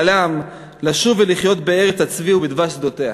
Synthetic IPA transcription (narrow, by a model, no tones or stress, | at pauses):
lam | laʃuveliχjo̞t̪be̞e̞ʁet͡sat͡sviubid̪vaʃd̪o̞t̪ea̰